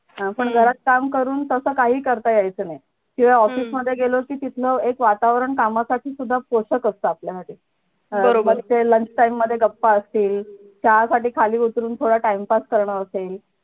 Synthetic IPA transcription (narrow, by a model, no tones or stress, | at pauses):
ɦãpəɳɡʱəɾat̪̚kamkəɾuːnt̪əsəːkaɦiːkəɾt̪ajajt͡səːnaj | kĩʋaɔfiːsməd̪ʱːjeɡelokiːt̪it̪ʰləekʋat̪aʋɾəɳkamasaʈʰiːsud̪ʱːapoɕəkəst̪əapljasaʈiː | bəoməɡt̪eləɲt͡ɕʈaimːəd̪ʱːjeɡəpːaəst̪iːl | t͡ɕjasaʈiːkʰaliːut̪ɾuːnt̪ʰoɽaʈaimpaskəɾɳəəsel